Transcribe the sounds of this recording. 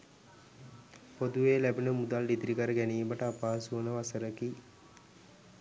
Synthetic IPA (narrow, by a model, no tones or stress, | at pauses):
pod̪uʋeːlæbinəmud̪alɖid̪ɾikəɾəɡæniːməʈəapaːsuənəʋasəɾəki